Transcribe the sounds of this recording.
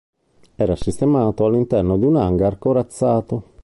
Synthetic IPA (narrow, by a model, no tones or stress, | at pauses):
ɛːɾasist̪emaːt̪oalːint̪ɛrnod̪iunaŋɡarkoɾat̪sːaːt̪o